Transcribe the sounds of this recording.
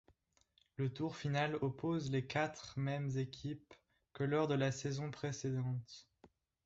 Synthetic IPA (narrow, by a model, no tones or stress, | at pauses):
lət̪uʁfinalɔpozlekʲat̪χmɛmzekʲʰip̚ | kəlɔʁd̪əlasezɔ̃pχesed̪ɑ̃t̪